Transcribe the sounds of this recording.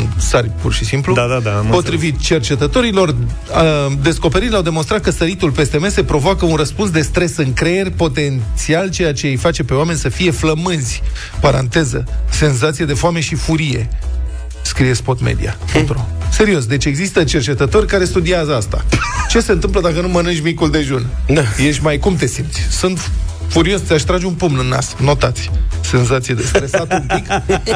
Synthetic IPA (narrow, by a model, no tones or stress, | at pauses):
nsarʲpurʃisimplud̪ad̪ad̪apo̞t̪ɾivit̪̚t͡ʃe̞rt͡ʃe̞t̪ət̪o̞ɾilo̞r | d̪e̞sko̞pe̞ɾiɾʲlawd̪e̞mo̞nst̪ɾat̪̚kəsəɾit̪ulpe̞st̪e̞me̞se̞pɾo̞voakəunrəspunsd̪e̞st̪ɾe̞sɨŋkɾe̞je̞rʲpo̞t̪e̞ntt̪sialt͡ʃejat͡ʃejejfat͡ʃe̞pe̞oame̞nʲsəfije̞fləmɨnzʲ | paɾa̰nt̪e̞zə̰se̞nzat̪sijad̪e̞foame̞ʃifuɾije̞̰ | skɾije̞spo̞t̪mḛd̪ḭa̰put̪ɾose̞ɾio̞s̬d̪et͡ʃʲe̞ɡzist̪ət͡ʃe̞rt͡ʃe̞t̪ət̪o̞rʲkaɾe̞st̪ud̪iazəast̪a̰t͡ʃe̞se̞nt̪ɨmpləd̪akənumənɨnt͡ʃʲmikuld̪e̞ʒunajeʃʲmajkumt̪e̞simt̪sʲsɨnt̪fuɾio̞st̪eaʃt̪ɾad͡ʒeunpumnɨnːa̰sno̞t̪at̪sʲse̞nzat̪sijed̪esɾesat̪upikb